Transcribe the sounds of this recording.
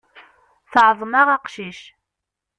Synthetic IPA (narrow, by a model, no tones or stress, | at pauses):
θʕðˤmɑʁɑqʃiʃ